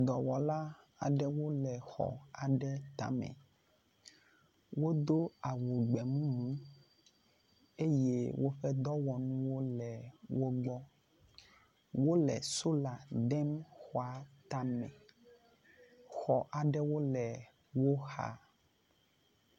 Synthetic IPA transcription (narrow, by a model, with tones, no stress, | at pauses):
d̪ɔ˨wɔ˨la˦ | a˨ɖɛ˦wo˦lɛ˨xɔ̰˨a˨ɖɛ˦t̪a̰˦mɛ̰̃˨ | wo˦d̪o˦a˨wu˨ɡ͡bɛ˨mũ˦mũ˦ | e˦je˦wo˦ɸɛ˦d̪ɔ˦wɔ˨ñũ˦wo˦lɛ˨wo˦ɡ͡bɔ˦ | wo˦lɛ̰˨so˦la˨ɖɛ˦mxɔ˨a˨t̪a˦mɛ̰̃˨ | xɔ˨ʔa˨ɖɛ˦wo˦lɛ˨ | wo˦xa̰˨